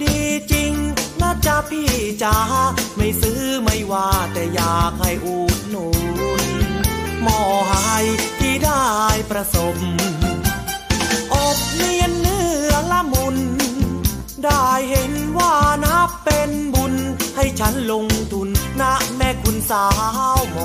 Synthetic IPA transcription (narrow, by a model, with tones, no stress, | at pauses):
diː˧t͡ɕi˧ŋna˧˥t͡ɕa˧pʰiː˧˩t͡ɕa˧˦˥ma˥˩jsɯː˦˥ma˥˩jwaː˧˩t̪ɛː˨˩jaː˨˩k̚ha˥˩jʔuː˨˩t̪̚no˨˩˦n | mɔː˧˩ɦa˧a˥˩jt̪ʰiː˧˩daː˧˥˩jpɾa˧so˨˧˦m | ʔo˨˩k̚li˧ənːɯ˧˥˨əŋla˧˥mu˧n | daː˥˩jhe˨˦nwaː˥˩na˦˥pe˧nbu˧nha˥˩jt͡ɕʰa˦˥nlo˧ŋt̪ʰu˧nːa˦˥mɛ˧˩kʰu˧nsaː˧˦˥wmɔ˨˧